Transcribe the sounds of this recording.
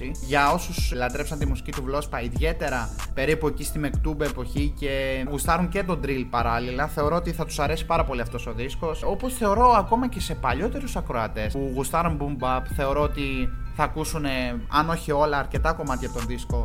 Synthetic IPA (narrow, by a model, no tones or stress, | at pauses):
iʝɐo̞suslɐt̪ɾe̞psɐnt̪imusi̥cit̪uvlo̞spɐiðʝe̞t̪e̞ɾɐpe̞ɾipue̞cist̪ime̞kt̪ube̞po̞çice̞ɣust̪ɐɾunce̞t̪o̞nd̪ɾilpɐɾɐlilɐθe̞o̞ɾo̞ot̪iθɐt̪u̥sɐɾe̞si̥pɐɾɐpo̞liɐft̪o̞so̞ðisko̞so̞po̞sθe̞o̞ɾo̞ɐko̞mɐce̞se̞pɐʎo̞t̪e̞ɾusɐkɾo̞ɐt̪e̞suɣust̪ɐɾumbumbɐpθe̞oɾo̞ot̪iθɐːkusune̞ɐno̞çio̞lɐːɾce̞t̪ɐko̞mɐt̪çɐp̚t̪o̞nðisko̞